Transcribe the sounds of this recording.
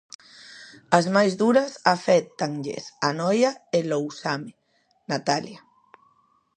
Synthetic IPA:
azmajzðuɾasafɛt̪aŋʎḛsanɔjaelowsame | nat̪alja

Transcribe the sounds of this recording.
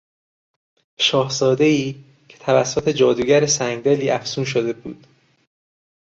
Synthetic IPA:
ʃɒːhzɒːd̪e̞iː | cʰe̞̥t̪ʰævæsːot̪ʰe̞d͡ʒɒːd̪uːɟæɾesæŋɡd̪eliːʔæfsuːnʃ̬od̪e̞buːd̪̥

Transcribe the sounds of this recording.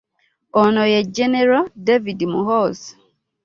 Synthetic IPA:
ɔnɔjɛd͡ʒɛnɛɾadevidmuɦɔs

